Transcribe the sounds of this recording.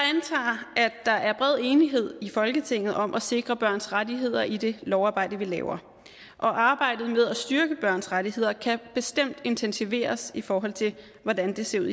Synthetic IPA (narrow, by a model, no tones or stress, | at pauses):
jɑænt͡sʰɑ̰̈ːæ̥ɑ̈ʔæɐb̥ʁɛð̞̰ˠe̝ːniɦe̝ð̞̰ˠifɒ̽lɡ̥ət͡sʰe̝ŋ̰ð̩ˠɒ̽mʔɒse̝ɡ̥ʁɐb̥ɶɐ̰nsʁadiɦe̝ð̞̰ˠɐʔid̥e̝lɒʊɑ̈ːbɑ̈ɪ̰d̥əʋilɛ̰ːʊɐ | ʔɒ̽ʔɑ̈ːb̥ɑ̈ɪ̰d̥ð̩ˠmeð̞ˠɒsd̥yɐɡ̥əb̥ɶɐ̰nsʁaɾihe̝ð̞̰ˠɐkʰæb̥e̝sd̥em̰d̥e̝nt͡sʰensiʋe̝̰ːɐsifɒːɦɒ̽l̰t͡sʰe̝ | ʋɒdænd̥e̝se̝ɐuð̰ˠ